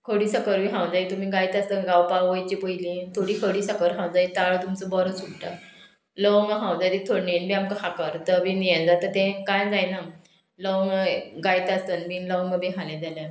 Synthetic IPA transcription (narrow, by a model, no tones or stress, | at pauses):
kʰəɽiːsəkəɾmiɦãwd͡zait̪umiːɡajt̪ast̪ənɡawpaʋəjt͡ɕipəjlĩt̪ʰoɽikʰəɽiːsəkəɾɦãwd͡zait̪aɭt̪umt͡səbɔɾəsukʈə | ləʋwŋɡəɦãwd͡zajt̪it̪ʰoɽninbiamkəɦakəɾt̪əbinijə̃d͡zat̪ət̪ɛ̃kajd͡zajna | ləwŋɡəɡajt̪ast̪ənmiːləwŋɡəbiɦalɛ̃d͡zala